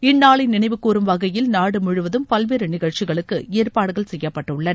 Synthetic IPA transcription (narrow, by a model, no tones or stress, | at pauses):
ɪnːaːɭɪnɪɳɐɪʋɯkːuːɾɯmʋɐɣɐjɪlnaːɽɯmʊɻɯʋɐðɯmpɐlʋeːɾɯnɪɣɐɻt͡ʃɪɣɐɭɯkːɯeːrpaːɽɯɣɐɭsɛjːɐpːɐʈːɯɭːɐn